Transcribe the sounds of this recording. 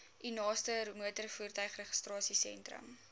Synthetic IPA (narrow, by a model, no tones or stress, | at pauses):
ʔinɑːstəmuətərfuːrtœɥχrəχə̥strɑːsisɛ̰ntrə̰m